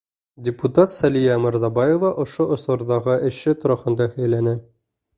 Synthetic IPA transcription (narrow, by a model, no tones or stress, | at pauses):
dʲɪput̪at̪sælijæmɤ̆ɾzɑbɑjovɑʔŏʃoʔŏsŏɾd̪ɑʁɤʔɘ̆ɕɘt̪ŏɾɑχɤ̆nd̪ɑhɵ̆jlænɘ